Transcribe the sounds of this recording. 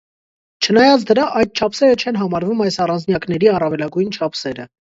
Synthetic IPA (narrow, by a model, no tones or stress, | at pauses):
t͡ʃʰənɑjɑt͡sʰd̪əɾɑʔɑjd̪̚t͡ʃʰɑpʰsɛɾət͡ʃʰɛnɦɑmɑɾvumɑjsɑrɑnd͡znjɑknɛɾiɑrɑvɛlɑɡujnt͡ʃʰɑpʰsɛɾə